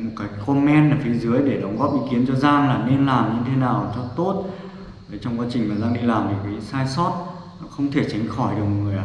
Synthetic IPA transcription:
t̚kaː˨˦jkkɔ˧mɛ˧naː˨˩fi˨˦zɨ˨˦əjɗe˧˩ɗə˨˦wŋ͡mɣɔ˦˥p̚ʔḭ˧˥ki˨˦ənt͡ɕɔ˧zaː˧ŋlaː˨˩mɲe˧nlaː˨˩mɲɨ˧t̪ʰe˨˦naː˨˩wt͡ɕɔ˧t̪o˦˥t̚ | ve˨˩˦t͡ɕɔ˧wŋ͡mkwaː˨˦t͡ɕï˨˩ŋ̟maː˨˩zaː˧ŋɗi˧laː˨˩mt̪ʰi˨˩kaː˨˦saː˧jsɔ˦˥t̚ | xə˧wŋ͡mt̪ʰe˧˩t͡ɕə˨˦ŋ̟xɔ˧˩jɗɨ˨˩ək̚ŋɨ˨˩əjʔa˧

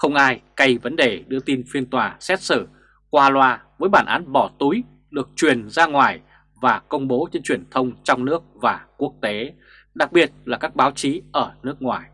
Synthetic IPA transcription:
xə˧wŋ͡mʔaː˧jka˧jvə˨˦nɗe˨˩ɗɨ˧ət̪i˧nfi˧ənt̪waː˨˩sɛ˦˥t̚sɨ˧˩ | kwaː˧lwaː˧vəː˨˦jɓaː˧˩nʔa̰ː˨˦nɓɔ˧˩t̪u˨˦j | ɗɨ˨˩ək̚t͡ɕwi˨˩ənzaː˧ŋwaː˨˩j | vaː˨˩kə˧wŋ͡mɓo˨˦t͡ɕe˧nt͡ɕwi˨˩ənt̪ʰə˧wŋ͡mt͡ɕɔ˧wŋ͡mnɨ˦˥ək̚vaː˨˩ku˦˥ək̚t̪e˨˦ | ɗa˨˩k̚ɓi˨˩ət̚laː˨˩kaː˦˥k̚ɓaː˨˦wt͡ɕi˨˦ʔəː˧˩nɨ˦˥ək̚ŋwa̰ː˨˩j

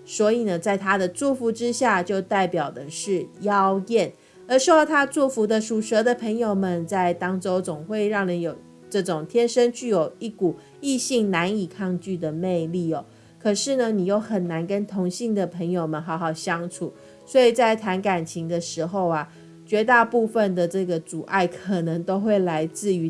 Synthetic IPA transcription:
swɔ˧˥i˨˩nə˩t͡sa˥˩ɪt̪ʰa˥d̪ə˨t͡su˥˩fu˧˥ʈ͡ʂɻ̩˦˥ɕja˥˧t͡ɕjo˥˧ʊt̪a˥˩ɪpjɑ˨˩ʊd̪ə˩ʂɻ̩˥˩jɑ˦˥ʊjɛ˥˩n | ə˧˥ʂ̩˥˩t̪ʰa˥t͡su˥˩fu˧˥d̪ə˧ʂu˨˩ʂə˧˥d̪ə˨pʰə˧˥ŋjo˨˩ʊmə˨nt͡sa˥˩ɪt̪ɑ˥ŋʈ͡ʂo˥ʊt͡sʊ˨˩ŋxwe˥˧ɪɻɑ˥˩ŋni˧˥jo˨˩ʊ | ʈ͡ʂɤ˥˩ʈ͡ʂʊ˨˩ŋt̪ʰjɛ˥nʂə˥nt͡ɕy˥˩jo˨˩ʊi˥˩ku˨˩ | i˥˧ɕi˥˩ŋna˧˥ni˨˩kʰɑ˥˧ŋt͡ɕy˥˩d̪ə˩ne˥˧ɪli˥˩ɔ˨˩ | kʰɤ˨˩ʂɻ̩˥˩nə˩ni˨˩jo˥˩ʊxə˨˩nːa˧˥nkə˥nt̪ʰʊ˧˥ŋɕi˥˩ŋd̪ə˩pʰə˧˥ŋjo˨˩ʊmə˨nɦɑ˧˥ʊxɑ˨˩ʊɕjɑ˥ŋʈ͡ʂʰu˨˩ | swɔ˧˥i˨˩t͡sa˥˩ɪt̪ʰa˧˥nka˨˩nt͡ɕʰi˧˥ŋd̪ə˧ʂɻ̩˧˥xo˥˧ʊa˩ | t͡ɕɥɛ˧˥t̪a˥˧pu˥˧fə˨nd̪ə˩ʈ͡ʂɤ˥˩ɡə˩t͡su˨˩ʔa˥˩ɪkʰə˨˩nə˧˥ŋt̪o˥ʊxwe˥˩ɪla˧˥ɪt͡sɹ̩˥˩y˧˥

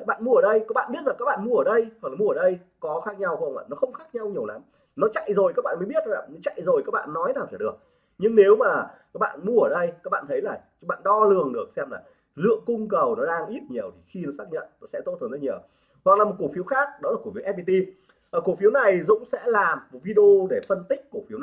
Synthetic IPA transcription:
ɓa̰ː˧˨nmu˧əəː˧˩ɗə˧jkaː˦˥kɓa̰ː˧˨nɓi˦˥ət̚a˨˩kaː˦˥k̚a̰ː˧˨mu˧əəː˧˩ɗə˧jhwa˨˩la˨˩mu˧əː˨˩ɗə˧j | kɔ˨˦xaː˦˥k̚ɲa˧wxŋa̰ː˧˨˩nɔ˨˦xə˧wŋ͡mxaː˦˥k̚ɲa˧wɲi˨˩əwla˨˦m | nɔ˨˦t͡ɕa̰˧˨jzo˨˩jkaː˦˥k̚a̰ː˧˨mə˨˦ɓi˦˥ət̚a̰ː˧˨˩nɔ˨˦t͡ɕa̰˧˨jzo˨˩jkaː˦˥k̚ɓa̰ː˧˨nːɔ˨˦jnaː˨˩wt͡ɕaː˧˩ɗɨ˨˩ək̚ | ɲɨ˧ŋne˨˦wmaː˨˩kaː˦˥k̚ɓa̰ː˧˨nmu˧əəː˧˩ɗə˧jkaː˦˥k̚ɓ̰a̰ː˧˨nt̪ʰə˨˦jlaː˨˩t͡ɕɓa̰ː˧˨nɗɔ˧lɨ˨˩əŋɗɨ˨˩ək̚sɛ˧mla̰ː˨˩ | lɨ̰˧˨əŋkʊ˧ŋ͡mkə˨˩wnɔ˨˦ɗaː˧ŋʔi˦˥t̚ɲi˨˩əwt̪ʰi̥˨˩xi˧nɔ˨˦saː˦˥k̚ɲə̰˧˨nt̪o˧˦jsɛ̰˧˥t̪o˧˥t̪ʰnzə˧˦ɲi˨˩w | wa˨˩k̚laː˨˩m˨˩t̚ku˧˩fi˨˦əwxaː˦˥k̚ɗɔ˨˦laː˨˩k̚fi˨˦wʔɛ˦˥vi˧t̪i˧ | ʔəː˨˩ku˧˩fi˨˦əwna˨˩jzʊ̰˧˥ŋ͡msɛ̰˧˥laː˨˩m̚˨vi˧ɗə˧o˧ɗe˧˩fə˧nt̪ï˦˥k̟̚ku˧˩fi˨˦wn˨˩

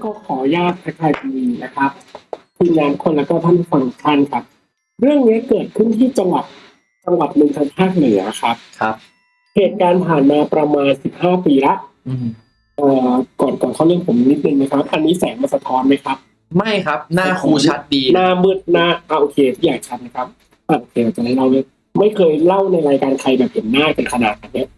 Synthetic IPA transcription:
kɔː˥˩kʰɔː˩˦jaː˥˩k̚pʰa˧t͡ɕʰaː˧a˧niː˧na˦˥kʰa˦˥p̚kʰɯ˧nːaː˦˥nkʰo˧nlɛː˦˥kɔː˥˩t̪ʰaː˥˩pʰu˦˥fa˧ŋt͡ɕʰa˥˩nkʰa˦˥p̚ | ɾɯ˥˩əŋni˦˥kɤː˨˩t̪̚kʰɯ˥˩nt̪ʰiː˥˩t͡ɕa˧ŋwa˨˩t̪̚ | t͡ɕa˧ŋwa˨˩t̪̚nɯ˧ŋkʰa˧ŋt͡ɕʰaː˥˩k̪̚nɯ˨˩˦ɐ˦a˧˦kʰa˦˥p̚kʰa˦˥p̚ | heː˨˩t̪̚kaː˧nt̪ʰaː˨˩nmaː˧pɾa˧maː˧nsi˨˩p̚haː˥˩piː˧la˦˥ʔ | ʔəː˨˩kɔː˨˩nkɔː˨˩nkʰɔ˥˩nːi˧˥˨pʰo˩˦m˧ni˦˥t̪̚nɯ˧ŋna˦˥kʰa˦˥p̚ʔa˧nːiː˦˥sɛː˩˦ŋmaː˧sa˧kɔː˧˥nma˦˥jkʰa˦˥p̚ | ma˥˩jkʰa˦˥p̚naː˧˥˩kʰuː˦˧t͡ɕʰa˦˥t̪̚diː˧naː˧bɯ˨˩t̪̚naː˧aː˧ʔoː˧˩kʰeː˧t̪ʰiː˥˩jaː˨˩k̚t͡ɕʰa˦˥t̪̚na˦˥kʰa˦˥p̚ | aː˧˩ʔoː˨˧kʰeː˧aː˨˩t͡ɕa˨˩na˦˥jla˥˩wni˦˥ | ma˥˩jkʰɤː˧jla˥˩wna˧jɾaː˧jkaː˧nkʰa˧jbɛː˨˩p̚he˨˩˦nːaː˥˩pe˧nkʰa˧na̰ː˨˩t̪̚ʔaː˨˧˩nːi˦˥ɐ

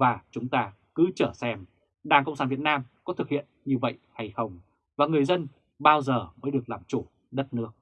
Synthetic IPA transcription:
vaː˨˩t͡ɕʊ˨˦ŋ͡mt̪aː˧ | kɨ˨˦t͡ɕəː˧˩sɛ˧m | ɗaː˨˩ŋkə̰˧wŋ͡msaː˧˩vi˨˩ət̚naː˧mkɔ˨˦t̪ʰɨ˨˩k̚hḭ˧˨ənɲɨ˧və̰˧˨jʔha˧jxə˧˩wŋ͡m | vaː˨˩ŋɨ˨˩əjzə˧n | ɓaː˧wzəː˨˩məː˨˦jɗɨ˨˩ək̚laː˨˩mt͡ɕu˧˩ | ɗə˦˥t̚nɨ˦˥ək̚

